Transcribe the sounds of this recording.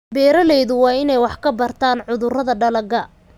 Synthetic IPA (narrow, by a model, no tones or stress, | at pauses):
bɛːɾɐlɛjðʊwɑːɪnɛjwɑħkʰɐbɐrt̪ʰaːnʕʊðʊrɐðɐɖɐlɐɡɐ